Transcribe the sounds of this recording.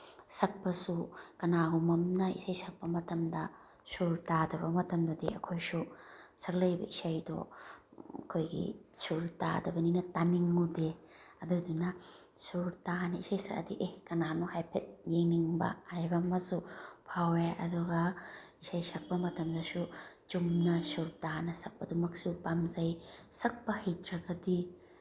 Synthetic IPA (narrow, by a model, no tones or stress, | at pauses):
sɐk̚pɐsukɐnaɡumɐmnɐḭsajsɐk̚pɐmɐtɐmdɐ | suɾtadɐbɐmɐtɐmdɐdḭɐ̰kʰojsusɐɾlɐjbɐ̰isajdɔ̰ | ɐ̰kʰojɡḭsuɾta̰dɐbɐninɐtaniŋude | ɐdudunɐ | suɾtanɐisajsɐɾɐ̰diʔehkɐnanɔhajpʰet̚jeŋniŋbɐ̰ajbɐmɐsupʰaweɐ̰duɡɐisajsɐk̚pɐmɐtʰɐmdɐsu | t͡ʃumnɐsuɾtanɐsɐk̚pɐdumɐk̚supamzajsɐk̚pɐhitɾɐɡɐdi